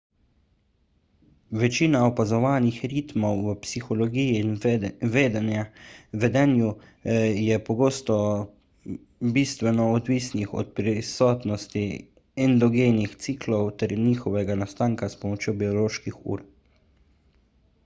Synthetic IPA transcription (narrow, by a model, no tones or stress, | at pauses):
ʋɛt͡ʃiːnaɔpazɔʋaːnixɾit̪mɔwːəpsixɔlɔɡiːjinʋeːd̪anjaʋɛd̪ɛnju | jɛpɔɡoːst̪ɔ | biːst̪ʋɛnɔːd̪ʋiːsnixɔ̰t̪̚pɾisɔːt̪nɔst̪i | ɛnd̪ɔɡeːnixt̪siːklɔwt̪ɛɾniːxɔʋɛɡanast̪aːŋkaspɔmɔt͡ʃjobiɔloːʃkixṵːɾ